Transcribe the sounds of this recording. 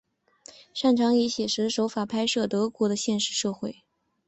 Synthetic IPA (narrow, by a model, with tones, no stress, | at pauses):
ʂa˥˩nʈ͡ʂʰɑ˧˥ŋi˧˥ɕjɛ˨˩ʂɻ̩˧˥ʂo˧˥ʊfa˨˩pʰa˥ɪʂɤ˥˩t̪ɤ˧˥kwɔ˧˥d̪ə˧ɕjɛ˥˧nʂɻ̩˥˧ʂɤ˥˧xwe˥˩ɪ